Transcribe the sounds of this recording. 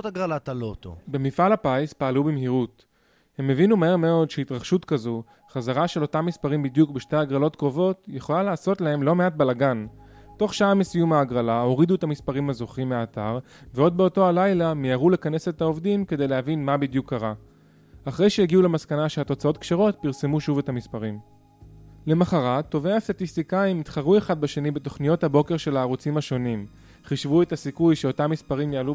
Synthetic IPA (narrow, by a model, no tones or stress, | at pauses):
taɡʁalat̪alot̪o̰be̞mifalapaspaːlubimhiʁut | he̞mːe̞vinumaɦe̞ʁme̞o̞dʃeitʁaχʃutkazu | χazaʁaʃe̞lo̞tamːispaʁimbidjukbeʃteaɡʁalo̞tkʁo̞vo̞tje̞χo̞lalaːso̞tlahe̞mlo̞meat̚belaɡanto̞χʃaamesijumaːɡʁalao̞ʁiduetamispaʁimazo̞χimeaːtaʁ | veo̞d̪̚be̞o̞to̞alajlamijaʁule̞kane̞se̞tao̞vdimke̞d̪e̞jleɦavinmabid̪jukʰːaʁa | aχʁe̞jʃeeɡiule̞maskanaʃehato̞t͡sao̞t̪kʃeʁo̞t̚piʁse̞muʃuve̞thamispaʁim | le̞maχaʁato̞veast̪at̪ist̪ikaimitχaʁue̞χad̚baʃe̞nibeto̞χnijo̞thabo̞ke̞ʁʃe̞laːʁut͡simaʃo̞nim | χiʃvue̞tasikujʃeotamːispaʁimjaalu